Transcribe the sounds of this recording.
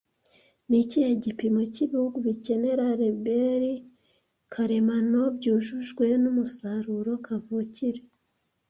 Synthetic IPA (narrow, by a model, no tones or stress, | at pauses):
niciheɟipimo̞ciβihuɡuβice̞ne̞ɾaɾebeɾi | kʰaɾe̞mano̞bɟuːʒuʒɡwe̞numusaɾuɾo̞kʰavuːciɾe